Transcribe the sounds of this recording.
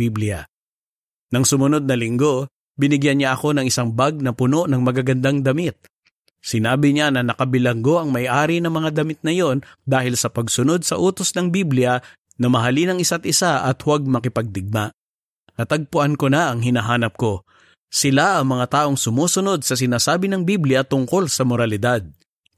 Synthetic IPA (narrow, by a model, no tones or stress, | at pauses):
iblɪɐ̰ | nɐŋsʊmʊno̞d̪̚nɐlɪŋɡo̞ | bɪnɪɡjanɲaʔɐko̞nɐŋɪsaŋbaɡ̚nɐpʊno̞ʔnɐŋmɐɡaɡɐnd̪aŋd̪ɐmit̪̚ | sɪnaːbɪɲanɐnɐkɐbɪlɐŋɡo̞ʔɐŋmɐjʔaːɾinɐmɐŋad̪ɐmɪt̪̚nɐjo̞nd̪aːhɪlsɐpɐɡsʊno̞d̪̚sɐʔuːt̪o̞snɐŋbiblɪjɐ | nɐmɐɦɐlinɐŋɪsat̪ʔɪsaʔɐ̰t̪hwaɡ̚mɐkɪpɐɡ̚d̪ɪɡ̚maʔ | nɐt̪ɐɡ̚pʊʔankonɐʔɐŋɦɪnɐɦaːnɐp̚ko̞ | sɪlaʔɐŋmɐŋat̪aːʔo̞ŋsʊmuːsʊno̞d̪̚sɐs̬ɪnaːsaːbɪnɐŋbiblɪjɐt̪ʊŋko̞lsɐmoɾɐlɪd̪ad̪̚